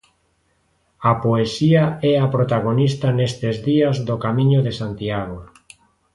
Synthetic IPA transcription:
apoesiaɛapɾot̪aɣonist̪anest̪ezðiɐzðokamĩɲoðesant̪iaɣo

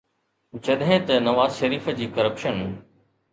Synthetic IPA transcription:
t͡ɕɐɗɦẽt̪ɐnɐʋaːzʃɐɾiːfd͡ʑiːkɐɾəpʃən

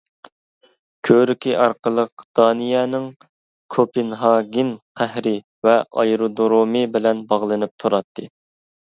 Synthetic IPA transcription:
kʲʰøɾykʲʰiʔɑɾqəlˠəqd̪̥ɑːnɨjɛːnɪŋ | kʰopɪnɦɑːɡʲinqʰæhɾɪ | vɛʔɑ̰jɾud̪oɾomɨbɪlɛnbɑʁlˠɨnɨp̚t̪ʰuɾɑt̪ʰːɨ

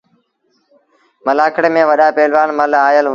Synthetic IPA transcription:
məlaːkʰəɽmẽːʋəɗaːpeːlʋaːɳməlaːjəl

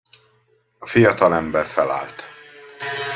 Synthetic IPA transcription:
ɒfijɒt̪ɒlɛmbɛrfɛla̰ːlt̪

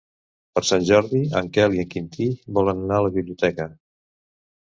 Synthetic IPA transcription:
pəɾsanʲʒɔɾðiəŋkɛliəŋkint̪ibɔlənnaələβiβliut̪ɛkə

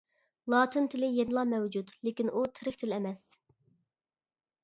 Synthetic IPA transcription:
lˠɑːt̪ʰɨnt̪ʰɪlɪjenɨlˠɑmɛwd͡ʒud̪lekʲinʔut̪ʰɪɾɪxʲt̪ʰɪlɛmɛs

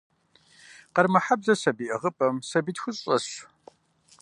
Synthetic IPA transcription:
qɐrmɐħabzɐsɐbiːʔɐʁəpʼɐmsɐbiːtxʷʊɕʼɐɕ

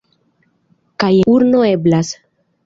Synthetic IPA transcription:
kajuɾno̞e̞blas

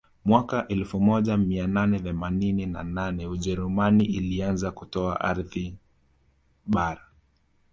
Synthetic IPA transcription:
mwakaʔɛlfumɔʄamiananɛθɛmanininananɛuʄɛɾumaniilianzakutɔa̰ʔaɾði | ɓaɾa

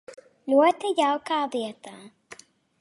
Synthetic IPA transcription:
lʲuɔt̪ɛjawkaːviɛt̪aː

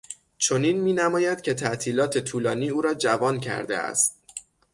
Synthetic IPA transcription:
t͡ʃʰo̞niːnmiːnæmɒːjæd̪̥cʲʰe̞t̪ʰæʔt̪ʰiːlɒːt̪ʰe̞t̪ʰuːlɒːniːuːɾɒːd͡ʒævɒːncʰæ̰ɾd̪e̞̰æ̰st̪̚

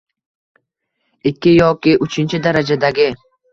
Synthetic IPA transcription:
ɪkʲːɪjɒkʲɪʔʊt͡ʃʰɪnt͡ʃʰɪd̪aɾad͡ʒad̪aɡʲɪ

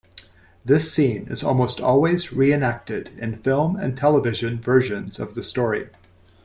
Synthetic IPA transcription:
ðɪsĩnɨ̰zɔ̰lˠmoʊstɔ̰lˠwizɹiɨ̃næk̚tɪɾɨ̰̃nfɪlˠmɨ̰̃ntʰɛlˠəvɪʒɨ̃nvɜ˞ʒɨ̃nz̥ʌ̰vðɨstɔɹḭ

